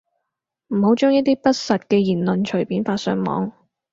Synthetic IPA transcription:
m̩˨˩ho˨˥wt͡ʃɔː˥ŋjɐ˥t̚t̪iː˥pɐ˥t̚sɐ˨t̚kɛː˧jiː˨˩nlɵ˨nt͡ʃʰɵ˨˩ɥpiː˨˥nfaː˧tsœ̰ː˧ŋmɔ̰ː˨˧˥ŋ

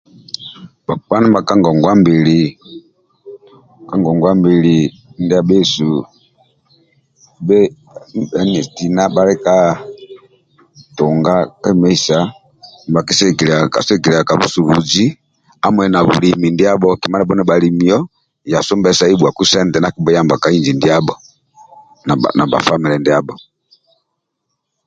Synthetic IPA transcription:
ba˨pa˦nɛ˦mba˨ka˦ŋɡɔ˨ŋɡwa˦mbi˨li˨ | ka˦ŋɡɔ˨ŋɡwa˦mbi˨li˨˦ | ndɛ˦a˦˨bɛ˦su˨ | bɛ˦ | bɛ˦ɲɛ˨ti˨na˦ba˦lɛ˦ka˦ | tɔ˨ŋɡa˦kɛ˦mɛ˦i˦sa˨ | m˨ba˨ki˦sɛ˦ki˨lɛ˨ka̰˨sɛ˦ki˨lɛ˨a˨ka˨βu˦su˨βu˨d͡ʒi˦ | a˦mwɛ˨na˨βṵ˨li˨mi˨ndi˦a˦bɔ˦ki˨ma˦nɛ˨bɔ˦nɛ˨ba˨li˨mi˨ɔ˦ | ja˨sɔ˦mbɛ˨sa˨˦i˦ɓwa˨ku˦sɛ˦ndɛ˨na˦ki˦˨bɔ˦ja˦mba˨ka˨i˦nd͡ʒi˨ndi˦a˦bɔ˨ | na̰˨na˨ba̰˨fa˦mi˨lɛ˨ndi˦a˦bɔ˨

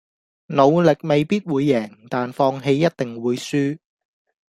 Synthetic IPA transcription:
no˨˧wlɪ˨k̚me˨jpiː˥t̚wuː˨˧jːɛː˨˩ŋt̪aː˨nfɔː˧ŋɦe˧jːɐ˥t̚t̪ɪ˨ŋwuː˨˧jsyː˥

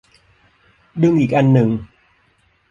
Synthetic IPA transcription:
ɗɨ˧əŋʔi˨˩k̚ʔa˧nːɨ˨˩ŋ

